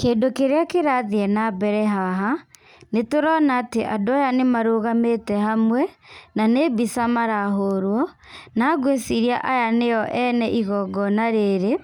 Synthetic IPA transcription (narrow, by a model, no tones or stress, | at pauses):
keːndokeɾeakeɾaðiɛnabɛɾɛɦaɦa | netoɾɔnaːteʔadoajanemaɾoɣametɛhamwɛnanebisamaɾaɦoɾwɔ | naːɣwesiɾiaʔajanejɔʔɛnɛʔiɣɔɡɔnaɾeɾe